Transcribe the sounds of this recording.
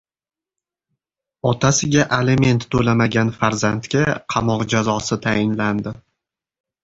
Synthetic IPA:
ɒt̪ʰasɪɡʲaʔeleme̞nt̪ːolamaɡʲanfaɾzant̪kʲaqʰɑmɒqd͡ʒazɒsɪt̪ʰaɪnland̪ɪ

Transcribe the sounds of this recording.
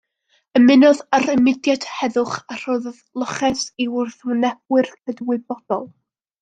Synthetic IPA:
əmɪnɔðaɾɪmɪdjad̥hɛðʊχar̥oððlˠɔχɛsiʊrθwɪnɛb̥̚wɨrkʰədwɨbɔd̥ɔlˠ

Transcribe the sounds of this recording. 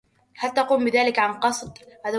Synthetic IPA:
halt̪ɑquːmbɪðaːlɪkʕanqɑsˤd̪haːða

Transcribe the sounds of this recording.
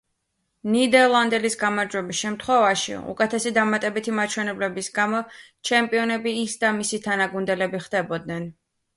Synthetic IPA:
nid̪ɛɾlˠand̪ɛlisɡamaɾd͡ʒwɛbisʃɛmt̪ʰχwɛvaʃḭṵkʼɛt̪ʰɛsid̪amat̪ʼɛbit̪ʰimat͡ʃʰwɛnɛblɛbisɡamɔ | t͡ʃʰɛmpʼiɔnɛbiːsd̪amisit̪ʰanaɡund̪ɛlɛbiχd̪̥ɛbɔd̪̚nɛn

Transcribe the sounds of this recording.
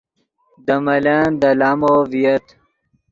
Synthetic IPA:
d̪əmɐland̪ɐlaːmovijɐt̪

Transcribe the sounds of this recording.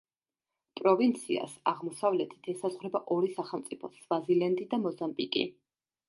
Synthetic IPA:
pʼɾɔvint̪sʰḭa̰saʁmɔsavlɛt̪ʰi̥t̪ʰɛsazʁwɾɛbaʔɔɾisaχɛlˠmt̪sʼipʰɔsvazilɛnd̪id̪amɔzambikʼḭ

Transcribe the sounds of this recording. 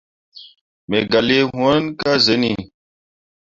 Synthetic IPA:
meɡɐleɦũənkazeni

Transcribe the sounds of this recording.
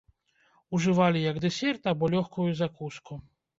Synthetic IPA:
uʐɨvalʲijɐɡd̪ɛsʲɛrt̪abɔlʲɔxkujuzakuskʰu

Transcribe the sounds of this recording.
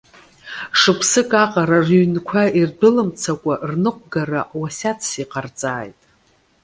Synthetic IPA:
ʂɨpʰsɨkʼaqʼaɾarɥnkʷʰairdɨlɨmt͡sʰakʷʼarnɨqʷʼɡaraʔwasʲat͡sʰsiqʼart͡sʼaːjtʼ

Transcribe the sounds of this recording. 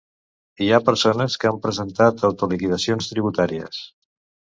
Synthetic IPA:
iapəɾsonəskəampɾəzənt̪at̪əwt̪ulikiðəsionst̪ɾiβ̞ut̪aɾiə̰s

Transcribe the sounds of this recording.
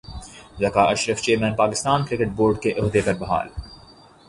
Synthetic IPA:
zɐkaːʔɐʃɾəft͡ʃeːɾmɛ̃ːnpaːkɪst̪aːnkɾɪkeʈ̚boːɾɖkeʔʊɦd̪epɐɾbɐɦa̰ːl

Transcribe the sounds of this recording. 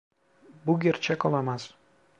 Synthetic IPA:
bʊɡʲeɾt͡ʃʰakɒlˠamas

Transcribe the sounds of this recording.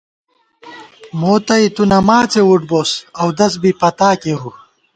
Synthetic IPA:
moːt̪ɐit̪unɐmaːt͡sewuʈ̚boːsɐwd̪ɐs̬bipɐt̪aːkeɾu

